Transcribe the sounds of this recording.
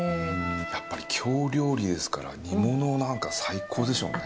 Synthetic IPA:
japːaɾʲikʲʰo̞ːɾʲo̞ːɾʲid̪e̞sɨ̥kaɾa̰ɲ̟imo̞nonãŋkasaikʰo̞ːd̪e̞so̞̰ːne

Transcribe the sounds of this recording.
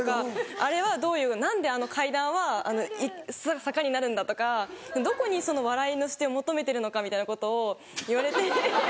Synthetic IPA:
kaaɾe̞βad̪o̞ːjɯ̟ːnãnd̪e̞ano̞kʰaid̪ãɰ̃βaa̰no̞isasakaɲ̟inaɾɯ̟̃nd̪at̪o̞kad̪o̞ko̞ɲ̟iso̞no̞βaɾaino̞ɕi̥t̪eomo̞t̪o̞me̞t̪e̞ɾɯ̟no̞kamʲit̪ainako̞t̪o̞ː | iβaɾe̞t̪e̞

